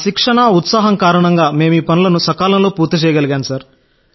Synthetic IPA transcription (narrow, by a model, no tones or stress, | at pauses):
ʃikʂɐɳɐut̪saːɦɐmkaːɾɐɳɐŋɡaːme̞ːmuiːpɐnulɐnusɐkaːlɐmloːpuːɾt̪ɐt͡ʃɛːjɐɡɐlɐɡjaːnusɐɾ